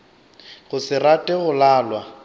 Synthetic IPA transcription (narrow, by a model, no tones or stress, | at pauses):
ɣʊsɪratʼɪɣʊlaːlwa